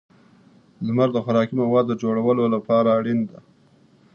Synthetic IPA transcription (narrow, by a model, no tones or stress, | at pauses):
ləmaɾd̪əxaɾɑkimawɑd̪ːəd͡ʒoɽawəlolapɑɾaːɽind̪a